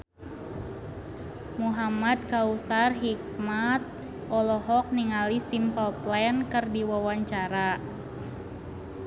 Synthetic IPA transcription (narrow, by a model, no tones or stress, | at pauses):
muɦamat̪̚kausarɦik̚mat̪̚ | ʔɔlɔɦɔk̚niŋalisimpəlplɛnkərdiwawaɲt͡ʃaɾa